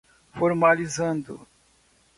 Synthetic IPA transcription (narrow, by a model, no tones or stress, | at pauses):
foɾmalizɐ̃nd̪ʊ̰